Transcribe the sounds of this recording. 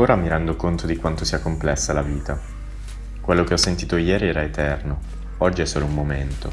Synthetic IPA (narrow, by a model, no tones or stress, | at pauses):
oːɾamiɾɛnd̪okont̪od̪ikwant̪osiːakomplɛsːalaviːt̪a | kwelːokeɔsːent̪iːt̪ojɛːɾiɛːɾaet̪ɛrno | ɔd͡ʒːiɛsːoːloummːoment̪o